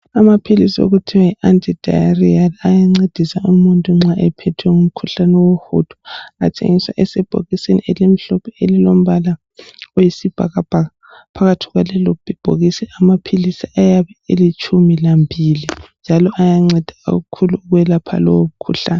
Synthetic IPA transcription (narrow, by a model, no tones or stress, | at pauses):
amapʰilisio̰ɣutʰiwajiʔantʼid̥ʱa̰jarialajaŋ͡ǀed̥ʱisaumuntʼuŋ͡ǁaʔɛpʰɛtʰwɛŋum̩kʰuɬanɛwoho̰d̥ʰʱɔ̥a̰tʰḛŋiswa̰ʔɛsɛb̥ʱo̰ɣisenielem̩ɬɔpʰɛelilom̩βala | ojisib̥ʱa̰ɣab̥ʱaɣa | pʰaɣatʰiɣwalɛlɔb̥ʱib̥ʱoɣisɛamapʰilisiajaβɛelit͡ʃʰʼumilambʱilind͡ʒʱalɔʔajaŋ͡ǀed̥ʱa̰ɣukʰuluːɣwɛlapʰa̰lɔwom̩kʰuɬaːnɛ